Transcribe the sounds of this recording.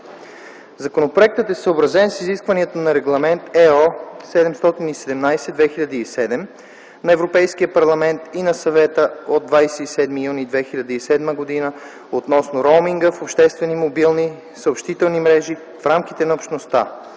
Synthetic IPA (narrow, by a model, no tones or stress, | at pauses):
zɐkonopɾoɛk̚t̪ət̪ɛsəobɾɐzɛnsiziskvɐniɛt̪onɐɾɛɡlˠɐmɛnt̪ɛɔsɛd̪ɛmst̪ɔt̪inisɛd̪ɛmnajsɛd̪vɛxiʎʲɐd̪əisɛd̪ɛm | nɐɛvɾopɛjsk̟iəpɐɾlˠɐmɛnt̪inɐsɐvɛt̪əod̪̚vajsɛisɛd̪mijunid̪vɛxiʎʲɐd̪əisɛd̪məɡod̪inə | ot̪nɔsnoɾomiŋɡəfopʃt̪ɛst̪vɛnimobilˠni | səopʃt̪it̪ɛlˠnimɾɛʒi | fɾamk̟it̪ɛnɐopʃt̪nost̪a̰